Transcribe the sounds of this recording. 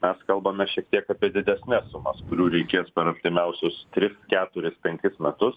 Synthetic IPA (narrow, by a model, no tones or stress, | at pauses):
mʲɛskɐlˠbɐmʲɛʃʲiɛkt̪ʲiɛkɑːpʲiɛd̪ʲɪd̪ʲɛsʲnʲɛssʊmɐskʊɾʲuːɾʲɛɪkʲeːspʲɛɾɐpʲt̪ʲɪmʲɛʊsʲʊst̪ʲɾʲɪskʲæːt̪ʊɾʲɪspʲɛŋʲkʲɪsmʲɛt̪ʊs